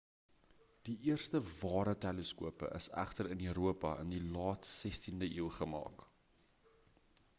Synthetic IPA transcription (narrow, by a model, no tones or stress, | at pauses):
d̥iʔiərstəvɑːɾətɛləskuəpə̰ʔəsæ̰χtəɾənyːɾuəpɐə̰ndilɑːtsɛstindəʔiːlˠχəmɑ̰ːk